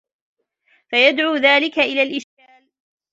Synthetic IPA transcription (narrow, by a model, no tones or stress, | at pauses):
fajad̪ʕuːðaːlɪkaʔɪlaːlʔɪʃkaːl